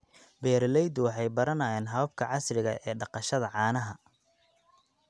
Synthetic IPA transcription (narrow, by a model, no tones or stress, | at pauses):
bɛːɾlɛjd̪ʊwɑħɑjbɐɾɐnɐjɛːnɦɐβɐb̚kʰɐʕɑsrɪɣɐʔɛːɖɑqɑʃɐðɐʕɑːnɐɦɐ